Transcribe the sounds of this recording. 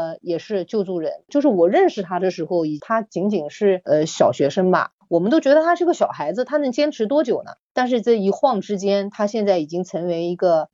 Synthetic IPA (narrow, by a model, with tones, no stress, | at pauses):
jɛ˨˩ʂɻ̩˥˧t͡ɕjo˥˧ʊt͡su˥˩ɻə˧˥nt͡ɕjo˥˧ʊʂɻ̩˥˩wɔ˨˩ɻə˥˧nʂɻ̩˥˩t̪ʰa˥d̪ə˧˩ʂɻ̩˧˥xo˧ʊi˨˩t̪ʰa˥t͡ɕi˧˥ŋt͡ɕi˨˩ŋʂɻ̩˥˩ə˧ɕjɑ˨˩ʊɕɥɛ˧˥ʂə˥ŋbɐ̰˧ | wɔ˨˩mə˦nt̪o˥ʊt͡ɕɥɛ˧˥d̪ə˧t̪ʰa˥ʂɻ̩˥˧˥ɡə˧˩ɕjɑ˨˩ʊxa˧˥ɪd͡zɹ̩˧t̪ʰa˥nɤ˧˥ŋt͡ɕjɛ˥nʈ͡ʂʰɻ̩˧˥t̪wɔ˥t͡ɕjo˨˩ʊnə̰˦t̪a˥˧nʂ̬ɻ̩˥˧t͡sa˥˩ɪi˧˥xwɑ˥˩ŋʈ͡ʂɻ̩˥t͡ɕjɛ˥nt̪ʰa˥ɕjɛ˥˧nt͡sa˥˩ɪi˨˩t͡ɕi˥ŋt͡sʰɤ˧˥ŋwe˧˥ɪi˧˥ɡə˧